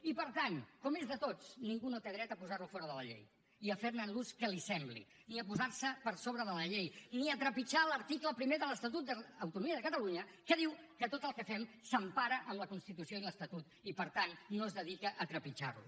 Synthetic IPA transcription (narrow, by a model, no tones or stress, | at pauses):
ipəɾt̪ankɔmezðət̪ot͡sniŋɡunot̪eðɾɛt̪əpuzarlufɔɾəðələʎḛj | iəfeɾnənluskəlisɛmblḭ | niəpuzaɾsəpəɾsoβɾəðələʎejniət̪ɾəpit͡ʃaləɾt̪ikləpɾimeðələst̪ət̪ut̪̚d̪əːwt̪unumiəðəkət̪əluɲə | kəðiwkət̪ot̪əlˠkəfɛmsəmpaɾəʔəmləkunst̪it̪usioiləst̪ət̪ut̪ipəɾt̪anːozðəðikəʔət̪ɾəpit͡ʃa̰rlṵ